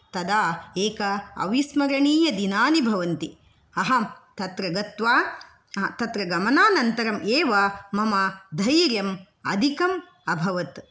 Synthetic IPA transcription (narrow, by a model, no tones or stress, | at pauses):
t̪ɐd̪aːeːkɐɐ̰ʋismɐɾɐɳiːjɐd̪inaːnibʱɐʋɐnt̪i | ɐɦɐt̪ɐt̪ɾɐɡɐt̪ʋaː | t̪ɐt̪ɾɐɡɐmɐnaːnɐnt̪ɐɾɐmʔeːʋɐmɐmɐd̪ʱɐjɾjɐm | ɐ̰d̪ʱikɐm | ɐbʱɐʋɐt̪